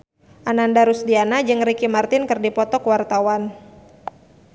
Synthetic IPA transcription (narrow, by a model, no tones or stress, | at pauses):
ʔanandaɾusdianad͡ʒɨŋrikimart̪ɪnkɨrdipɔt̪ɔkəwart̪awan